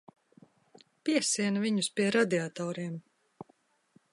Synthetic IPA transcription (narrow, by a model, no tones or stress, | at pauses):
piɛsiɛnviɲuspʲiɛɾad̪ʲiat̪ɔːɾiɛm